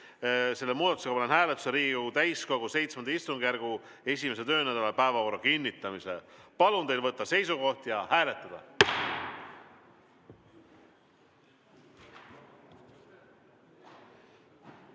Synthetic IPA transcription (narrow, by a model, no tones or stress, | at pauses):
se̞lːe̞muːd̪ɑt̪useɑpɑlenɦæːlet̪ːˑu̥seɾiːɡiɡkoɡut̪æjsko̞ɡ̥use̞jt̪smenɑist̪uŋɡ̥jærɡ̥u | e̞sʲime̞s̬et̪ø̞ːnæd̪̥ɑlepæevɑko̞rːɑkinʲːit̪ːˑɑmisḛpɑlunt̪ejlvɤt̪ːɑse̞jsuko̞ht̪jɑhæːle̞t̪ːˑɑd̪̥ɑ̰